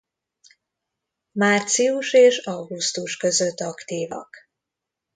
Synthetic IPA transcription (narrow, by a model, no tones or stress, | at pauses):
maːrt̪siuʃeːʃɒwɡust̪uʃkø̞zøt̪ːɒkt̪iːvɒ̰k